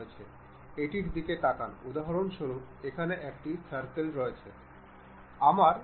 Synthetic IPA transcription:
et͡ɕʰe | eʈiɾd̪ikeʈakanud̪aɦaɾonʃoɾup̚ekʰaneʔɛk̚ʈit͡ɕʰaɾkelɾɔet͡ɕʰe | amaɾ

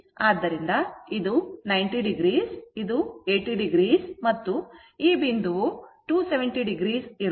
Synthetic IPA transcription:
aːd̪ːɐɾind̪ɐid̪unɐjɳʈiɖiɡɾiːsid̪ue̞ːʈiɖiɡɾiːsmɐt̪ːu | iːbind̪uuʈuːseʋeɳʈiɖiɡɾiːsiɾ

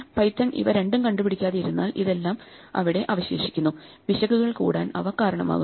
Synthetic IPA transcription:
pɐjt̪ːɐŋʔḭʋɐɾe̞ɳɖumkɐɳɖupiɽikʲːaːðejiɾunːaːlḭðe̞lːaːm | ɐ̰ʋiɽeʔɐːʋɐɕe̞ːʂi̥kʲːunːu | ʋiɕɐɣuɣɣɐɭkṵːɽaːnɐ̰ʋɐkaːɾɐɳɐma̰ːɣu

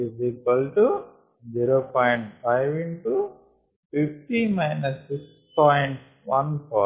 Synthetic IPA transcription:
izikɐlʈu | d͡ʒiɾoːpɔːjɳʈpaɪʋiɳʈu | pifʈimaɪnɐsːiks | pɔːjɳʈ | ʋɐnpʰɔ̰ː

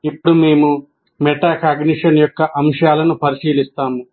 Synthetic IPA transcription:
ipːuɽumeːmu | mɛʈaːkaːɡniʂɐnjɔkːɐʔɐmʂɐjaːlɐnupɐɾiʃiːlist̪aːmu

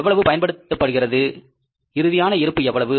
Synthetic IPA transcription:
ʋːɐɭɐʋɯpɐjɐnpɐɽɯt̪ːɐpːɐɽɯɣɪrɐðɯ | ɪɾɯðɪjaːnɐɪɾɯpːɯɛʋːɐɭɐʋɯ

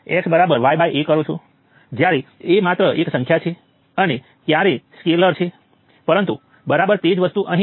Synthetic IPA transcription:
ɛksbəɾabəɾʋajbajʔekəɾũt͡ʃʰu | d͡ʒjaɾeemat̪ɾəʔeksə̃ŋkʰjat͡ʃʰe | əne | k̪jaɾeskeləɾt͡ʃʰe | pəɾənt̪u | bəɾabəɾt̪ed͡ʒʋəst̪uʔəɦĩ

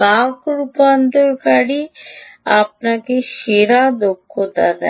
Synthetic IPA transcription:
bakɾupant̪ɔɾkaɽi | ap̚nakeʃeɾad̪okʰːot̪a̰t̪a̰

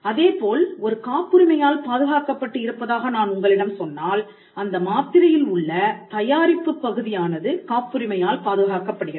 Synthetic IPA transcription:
ɐðeːpoːlɔɾɯkaːpːɯɾɪmɐjaːlpaːðɯɣaːkɐpːɐʈːɯɪɾɯpːɐðaːɣɐnaːnʊŋɡɐɭɪɽɐmsɔnːaːl | ɐnd̪ɐmaːt̪ɪɾɐjɪlʊɭːɐt̪ɐjaːɾɪpːɯpːɐɣɯðɪjaːnɐðɯkaːpːɯɾɪmɐjaːlpaːðɯɣaːkɐpːɐɽɯɣɪ

